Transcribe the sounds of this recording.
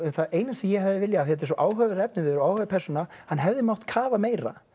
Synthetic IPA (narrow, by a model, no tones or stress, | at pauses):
ɛmθaeːjnasɛmjɛhɛvðɪvɪljaːθɛt̪̬ɛɾsɔʔaːwɦœɣɾɛp̚nɪvɪðɾawaːwhœvpʰɛrsɔnahanːɦɛvðɪmawht̪kʰaːvameːjɾa̰